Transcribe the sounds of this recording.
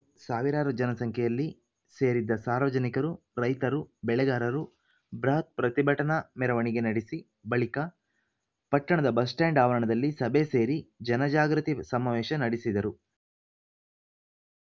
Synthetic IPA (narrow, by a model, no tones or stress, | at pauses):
saːʋiɾaːɾud͡ʒɐnɐsɐŋkʰɛjɐlːi | se̞ːɾid̪ːɐsaːɾʋɐd͡ʒɐnikɐɾu | ɾɐjt̪ɐɾubɛɭɛɡaːɾɐɾu | bɾɐɦɐt̪̚pɾɐt̪ibʱɐʈɐnɐmɛɾɐʋɐɳiɡe̞nɐɽisi | bɐɭikɐ | pɐʈːɐɳɐd̪ɐbɐs̬ʈɛːɳɖaːʋɐɾɐɳɐd̪ɐlːisɐbese̞ːɾid͡ʒɐnɐd͡ʒaːɡɾut̪isɐmaʋɛːʃɐnɐɽisid̪ɐɾu